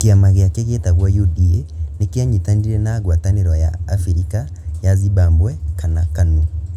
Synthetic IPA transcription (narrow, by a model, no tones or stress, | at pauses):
keamaɣeakeɣetaɣwɔjodienekjaɲitaniɾɛnaːɣwataneɾɔjaːfiɾika | jaziβaːmbwɛkanakanu